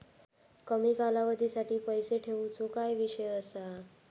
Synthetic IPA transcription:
kəmiːkalaʋəd̪ʱiːsaʈiːpəjseʈʰeʋut͡sokajʋiɕəjəsa

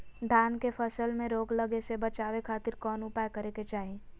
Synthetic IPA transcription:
d̪ʱaːnkefəsəlmẽɾoːɡlɐɡesebɐt͡ʃaːʋekʰaːt̪ɪɾkɔːnupaːjkəɾeket͡ʃaːɦe

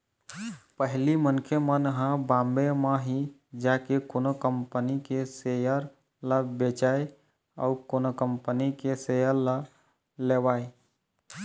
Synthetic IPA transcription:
pəɦlimənkʰemənɦãbãmbemãɦi | d͡ʒaːkekoːnokəmpənikesejəɾ | ləbet͡ʃaːe | ɔ̰ʊkonokəmpənikesejəɾla | lewaːe

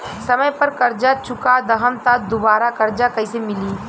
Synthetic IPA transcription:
sɐməjpɐɾkɐɾd͡ʒat͡ʃʊkad̪ɐɦəmt̪ad̪obaːɾakɐɾd͡ʒakɐisemɪliː

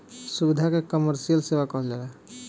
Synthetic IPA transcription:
subid̪ʱakekəməɾsijəlsewakɔɦld͡ʒala

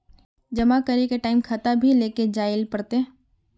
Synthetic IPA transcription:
d͡ʒɐmakəɾikeʈaːɪmkʰɐt̪abʱileːked͡ʒaːɪlpɐɽt̪e

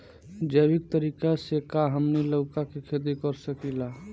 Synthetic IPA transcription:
d͡ʒəɪbɪk̚t̪əɾiːkasekaɦəmniləʊkakikʰed̪̬ikəɾsəkila

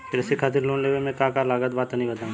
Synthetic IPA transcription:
kɪɾɛsekʰaːt̪̬ɪɾloːnleːʋemɛ̃kãːkalaːɡət̪baːt̪nɐɦĩbɐt̪aːũ

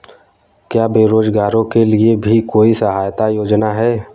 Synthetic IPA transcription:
kjaːbeːɾoːd͡ʒɡaːɾõkeliebʱikoːisəɦaːjt̪ajoːd͡ʒnaɦɛː

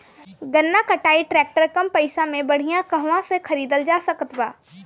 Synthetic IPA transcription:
ɡɐnːakɐʈaːiʈɾɛːk̚ʈəɾkɐmpɐɪsãmẽbɐɽ̤ijãkɐɦʋãsekʰɐɾiːd̪əld͡ʒaːsɐkət̪baː

